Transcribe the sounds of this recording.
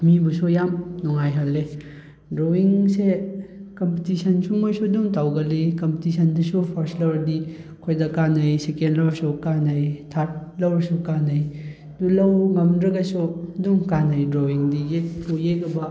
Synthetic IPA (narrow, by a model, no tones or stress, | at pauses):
mibusujamnɔŋajɦɐlːe | dɾowiŋsekɐmpitisɐnsumojsuduŋtawɡɐlikɐmpitisʰɐndisupʰɔɾslɐɾdikʰojdɐkanɐjsekendlɐwsukanɐjtʰat̚lɐwɾɐsukanɐj | dulɐwŋɐmdɾɐɡɐsuduŋkanɐjdɾowiŋdijek̚pʰujekɐbɐ